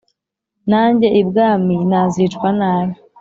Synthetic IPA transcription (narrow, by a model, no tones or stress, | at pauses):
naːɲɟe̞ʔibɡaːminaːzit͡ʃkwanaːji